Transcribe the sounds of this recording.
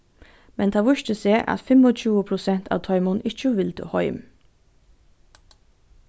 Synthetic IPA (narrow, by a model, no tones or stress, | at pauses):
mɛnt̪ʰɑːʋʊʃt̪ʰəseːʔɑ̰t̪fɛmɔt͡ʃʉːəpʰɾʊsɛnt̪ʰɑ̰ːʋt̪ʰɔʏmɔnɪt͡ʃəʋɪld̪ʰə̰ːhɔʏm